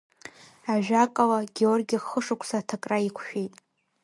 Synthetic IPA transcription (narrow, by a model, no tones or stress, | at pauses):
aʒᶣakʼalaɡʲeorɡʲiχəʂukʷʰsatʰakʼraikʷʰʃᶣitʼ